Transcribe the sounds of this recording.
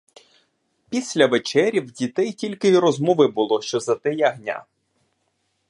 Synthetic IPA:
pʲisʲlʲɐʋet͡ʃɛɾʲiwdʲit̪ɛjtʲilʲkɪiɾɔzmɔʋɪbʊlˠɔʃt͡ʃɔzɐt̪ɪjɛɐɦnʲa̰

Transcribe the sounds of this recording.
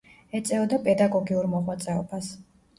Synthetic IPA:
ɛt̪sʼɛɔd̪apʼɛd̪aɡɔɡiuɾmɔʁwat̪sʼɛɔbas

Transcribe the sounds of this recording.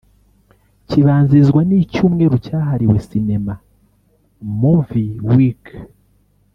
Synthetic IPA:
ciβaːnzizɡwanicuːmŋe̞ɾucaːɦaɾiwe̞sine̞ma | muviwik

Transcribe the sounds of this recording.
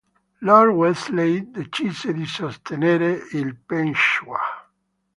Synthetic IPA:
laɾweslejd̪et͡ʃiseðisost̪eneɾeilpenʃwa

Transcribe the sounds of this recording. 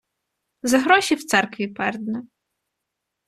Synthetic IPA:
zɐɦɾɔʃʲiwt̪sɛrkʋʲipɛrd̪nɛ

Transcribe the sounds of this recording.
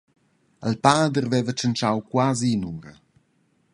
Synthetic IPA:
əlpaːd̪əɾvɛvət͡ʃənt͡ʃawkwazinuŋɡə

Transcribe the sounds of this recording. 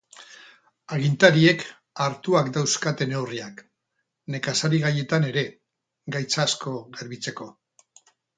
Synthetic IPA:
aɣ̞int̪aɾie̞k | aɾt̪uakd̪awskat̪e̞ne̞uriak | ne̞kasaɾiɣaje̞t̪ane̞ɾe̞ | ɡajt͡saːsko̞ɣeɾβit͡se̞ko̞

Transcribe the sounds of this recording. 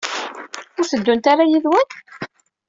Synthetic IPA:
ʊɾθəd̪ːunt̪aɾajiðwən

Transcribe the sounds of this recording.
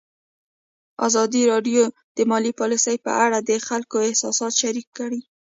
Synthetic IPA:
ɑ̰zɑd̪iɾɑɖjo | d̪̥əmɑlipɑlisəjpə̰ʔaɽad̪əxalkoɪhsɑsɑt̪ʃaɾikːəɽi

